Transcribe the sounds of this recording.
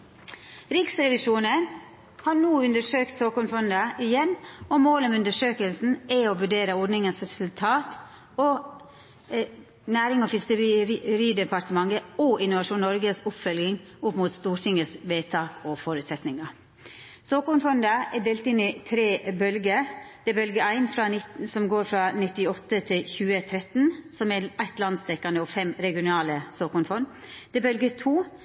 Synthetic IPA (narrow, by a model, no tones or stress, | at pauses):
ɾɪksɾɛʋɪʂuːnən | hɑːɾnuːʉnd̪əʂøːkt̪soːkʊɳfɔnd̪əʔɪjɛnːɔmoːləmʉnd̪əʂøːkəlsn̩ɛoːʋʉɖeːɾəɔɖnɪŋənsɾɛsʉlt̪ʰɑːt̪ | ɔ | næːɾɪŋɔfɪskəɾiːd̪ɛpʰɑɾt̪əmɑŋːəoʔɪnʊʋɑʂuːnnɔɾɡəsʊpfœlɡɪŋʊpmuːt̪st̪uːɾʈ̪ʰɪŋəsʋeːt̪ʰɑːkʰɔfɔɾʉːt̪sɛt̪nɪŋɑ | soːkʊnfɔnd̪əɛɖeːlt̪ɪnːɪt̪ʰɾeːbœlɡəɾd̪̥ɛɛbœlɡəæɪnfɾɑɪtsɔmɡoːɾfɾɑnɪt̪ːɪɔt̪ːət̪ʰɪlçʉːət̪ʰɾɛt̪nsɔmɛæɪt̪lɑnd̪st̪ɛkːɑnd̪əɔfɛmɾɛɡɪʊnɑːləsoːkʊnfɔn | d̪̥ɛbœlɡət̪ʰuː